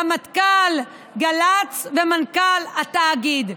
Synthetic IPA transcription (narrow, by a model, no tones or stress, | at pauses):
amat̪kal | ɡalat͡svemankalat̪aːɡid̪